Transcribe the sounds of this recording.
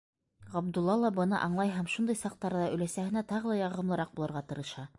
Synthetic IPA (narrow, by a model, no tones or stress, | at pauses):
ʁɑb̚d̪ulˠːɑlˠɑbɤ̆nɤ̰ʔɑɴlˠɑjɦæmʃund̪ɤjsɑq̚t̪ːɑɾɤ̆ðɑɵ̆læsæhɘ̆næt̪ɑʁɤ̆lˠɑjɑʁɤ̆mlˠɤ̆ɾɑq̚bulˠɤ̆ɾʁɑt̪ɤ̆ɾɤ̆ʃɑ